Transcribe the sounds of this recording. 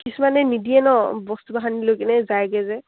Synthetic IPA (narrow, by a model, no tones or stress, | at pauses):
kisumanɛnidiɛnɔbɔstubaɦanilojkɛnɛzajɡɛzɛ